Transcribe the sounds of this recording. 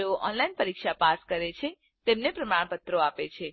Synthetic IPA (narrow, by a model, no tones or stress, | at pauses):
eoʔɔnlainpəɾikʃapaskəɾet͡ʃʰe | t̪emnepɾəmaɳpət̪ɾoapet͡ʃʰe